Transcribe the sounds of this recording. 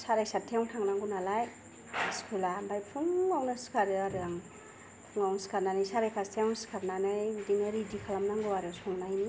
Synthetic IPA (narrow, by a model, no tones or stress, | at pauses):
saɾajsatʰiawtʰaŋnaŋɡunalaj | askʰulambajpʰuŋawnaskʰaɾɯaɾɯaŋ | pʰuŋawnskʰaɾnanajsaɾajkʰastʰjawnsi̥kʰaɾnanajudinaɾidikʰalamnaŋɡuwaɾɯsɔŋnajn